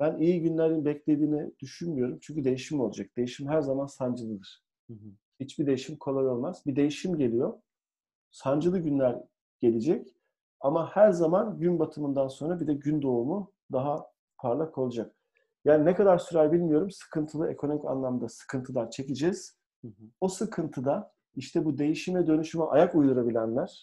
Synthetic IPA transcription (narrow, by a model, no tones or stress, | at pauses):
b̥ænijiɟynlʲeɾinbɛclʲe̞d̪iːnɛd̪̥yʃynmyjo̞ɾumt͡ʃʰyɲcʰyd̪e̞jiʃimo̞lˠad͡ʒak̚d̪̥e̞jiʃimɦæɾzamansand͡ʒɯlˠɯd̪ɯɾ̥ | hit͡ʃbid̪e̞jiʃimkʰo̞lˠajo̞lˠmaz̥bid̪e̞jiʃimɟe̞lʲijo̞ | sand͡ʒɯlˠɯɟynlʲæɾ | ɟ̥e̞lʲid͡ʒɛc | amahæɾzamanɟynbat̪ʰɯmɯnd̪anso̞nɾabid̪ɛɟynd̪o̞umu | d̪aɦa | pʰaɾlˠakʰo̞lˠud͡ʒak̚ | jaːninekad̪aɾsyɾalʲbilʲmijo̞ɾumsɯ̥kʰɯnt̪ʰɯlˠɯe̞kʰo̞no̞mica̰nlˠamd̪asɯ̥kʰɯnt̪ʰɯlˠat͡ʃʰe̞cid͡ʒɛz̥ | osɯkʰɯnt̪ʰɯd̪a | iʃt̪ʰɛbud̪e̞jiʃimɛd̪ø̞nyʃymɛʔajakujd̪uɾabilʲænlʲæɾ̥